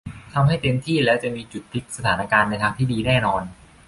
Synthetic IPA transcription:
t̪ʰa˧mɦa˥˩jt̪i˧əmt̪ʰiː˥˩lɛː˦˥wt͡ɕa˨˩ʔmiː˧t͡ɕu˨˩t̪ʰːi˦˥k̪̚sa˧t̪ʰaː˩˦na˧kaː˧nːa˧jt̪ʰaː˧ŋt̪ʰiː˥˩diː˧nɛː˥˩nɔː˧n

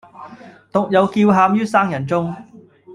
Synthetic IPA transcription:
t̪ʊ˨k̚jɐ˨˧wkiː˧wɦaː˨˧mjyː˥saː˥ŋjɐ˨˩nt͡sʊ˥ŋ

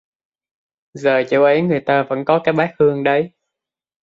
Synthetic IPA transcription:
zəː˨˩t͡ɕo̰˧˩wʔə˨˦jŋɨ˨˩əjt̪aː˧və̰˧˥nkɔ˨˦kaː˨˦jɓaː˨˦˥k̚hɨ˧əŋɗə˨˦j

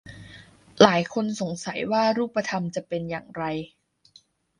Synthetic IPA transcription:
laː˩˦jkʰo˧nso˨˩˦ŋsa˩˦jwaː˥˩ɾuː˥˩pːa˧t̪ʰa˧mt͡ɕa˨˩pe˧nja̰ː˨˩ŋɾa˧j

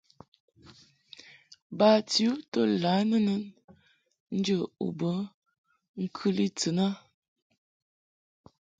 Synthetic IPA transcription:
ba˨ti˨u˦tə˦la˨˦nə˦nə˦n | n̩˦d͡ʒə˦˨ṵ˨bə˦ | ŋ̩˦kʰʉ˦li˦t͡sə˨na˦

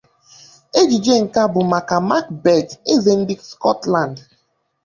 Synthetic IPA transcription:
e˦d͡ʒi˨d͡ʒe˦ŋ̩˨ka˦bʊ˨ma˨ka˨ma˦kbɛ˨d͡ʒe˦ze˦n̩˦di˦kskɔ˦tlã˨nd

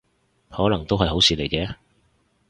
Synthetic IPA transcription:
hɔː˨˥lɐ˨˩ŋt̪o˥whɐ˨jɦo˨˥wsiː˨˧le˨˩jkɛː˧

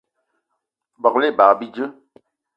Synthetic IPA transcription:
bɔ˨kle˦˨ba˨bi˦d͡ʒə˦

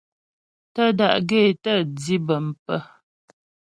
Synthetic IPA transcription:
tə˦da̰˨ʔɡe˦˨tə˦˨d͡zi˦bə˨m̩˨pə˦

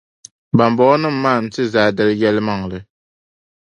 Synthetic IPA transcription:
ba˨mbɔ˨˦nɨ˦mː˦aː˦˨n̩˨tɨ˦zaː˨dɨ˦ljɛ˦lma˦˨ŋlɨ˨

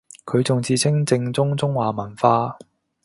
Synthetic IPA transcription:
kʰɵ˨˧ɥt͡sʊ˨ŋt͡siː˧t͡sʰɪ˥ŋt͡sɪ˧ŋt͡sʊ˥ŋt͡sʊ˥ŋwaː˨˩mɐ˨˩nfaː˧

